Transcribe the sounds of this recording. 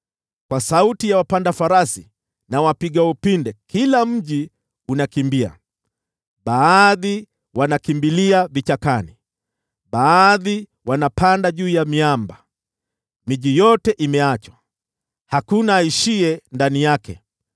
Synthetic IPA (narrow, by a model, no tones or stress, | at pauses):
kwasautijawapandafaɾasi | nawapiɠaupindɛkilam̩ʄi | unakimbia̰ | ɓaði | wanakimbiliavit͡ʃakani | ɓaði | wanapʰandaʄuːjamiamba | miʄijɔtɛʔimɛat͡ʃwa | hakunaːiʃiɛndanijakɛ̰